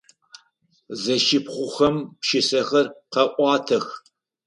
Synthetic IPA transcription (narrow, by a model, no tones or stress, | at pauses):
zɐʃɪpχʷʊχɐmpʃɪsɐxɐrqɐʔʷɑːtʰɐx